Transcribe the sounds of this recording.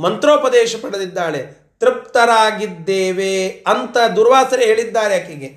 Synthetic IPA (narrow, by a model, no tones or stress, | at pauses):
mɐnt̪ɾoːpɐd̪ɛːʃɐpɐɽɐd̪id̪ːaːɭe | t̪ɾip̚t̪ɐɾaːɡid̪ːeːʋeɐnt̪ɐd̪uːɾʋaːsɐɾeɦeːɭid̪ːaːɾejaːkiɡe